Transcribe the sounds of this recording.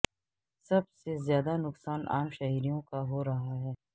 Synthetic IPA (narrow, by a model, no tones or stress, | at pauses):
sɐbsezjaːd̪anʊksaːna̰ːmʃɐɦiːɾijõkaɦoːɾɐɦaɦɛː